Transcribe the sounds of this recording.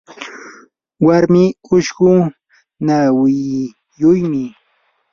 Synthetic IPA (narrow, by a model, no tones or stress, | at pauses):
waɾmɪʊʃɢʊ | nawɪ | jʊjmɪ